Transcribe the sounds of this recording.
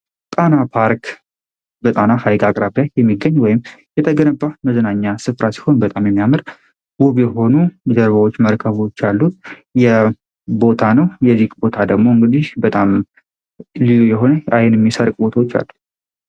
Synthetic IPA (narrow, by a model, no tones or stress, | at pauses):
t̪ʼanapʰaɾk | bət̪ʼanahajɡakʼɾabajɛmːiɡːəɲːwɔjɪmjɛt̪ʰəɡənəbːaməzənaɲːasɨfɾasi̥ho̞nbət̪ʼamjɛmːijamɨɾ | buβjɛɦo̞nujɛd̪əɾβawo̞t͡ʃːməɾkʰəβo̞t͡ʃːalːut̪jɛ | bo̞t̪ʰanəwjɛzikʼbo̞t̪ʰad̪əɡmo̞ɨŋɡɨd̪ihbət̪ʼam | lilujɛɦo̞nəajnjɛmːisəɾkʼbo̞t̪ʰawot͡ʃːa̰lːu